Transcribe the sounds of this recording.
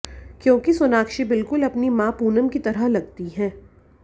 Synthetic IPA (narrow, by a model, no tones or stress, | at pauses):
kjõːkisʊnaːkʃibɪlkʊlɐpnimãːpuːnəmkit̪ɐɾəɦlɐɡ̚t̪iɦɛː